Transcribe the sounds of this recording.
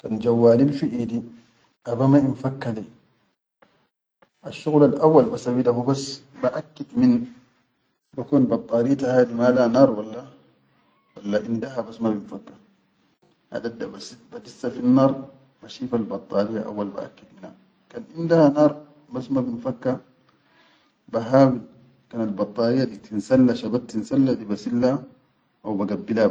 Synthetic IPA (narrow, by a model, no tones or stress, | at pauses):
kand͡ʒawːaːlilfiʔid̪i | ʔabamainfakːali | ʔaʃːuɣlalʔawːalbasawidahubasːbaʔakːad̪min | bakuːnbɑt̪ˤːɑːɾit̪ahaːd̪imalanaːɾˤwalːa | walːaʔindaɦabasmabinfakːḁ | ʔa̰d̪ad̪ːabasit̪bad̪isːafinːɑːɾˤ | maʃiːfalbɑt̪ˤːɑːɾijːaʔa̰wːalba̰ʔa̰kːad̪minha̰ | kaːnʔind̪ahanɑːɾˤ | basmabinfakːa | baɦaːwi | kaːnalbɑt̪ˤːɑːɾijːadit̪insalːaʃabat̚t̪ːinsalːadibasilːa | ʔawbaɡabːila